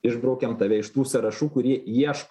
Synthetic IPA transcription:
ɪʒbɾɐʊkʲɛmt̪ɐʋʲɛɪʃt̪uːsʲɐɾɐʃuːkʊɾʲiɛiɛʃk

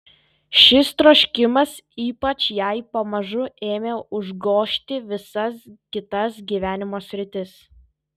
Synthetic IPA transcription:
ʃʲɪst̪ɾoːʃʲkʲɪmɐsiːpɐt͡ʃʲjɛɪpɐmɐʒʊeːmʲeːʊʒɡoːʃʲt̪ʲɪʋʲɪsɐskʲɪt̪ɐsɡʲiːʋʲæːnʲɪmoːsʲɾʲɪt̪ʲɪs

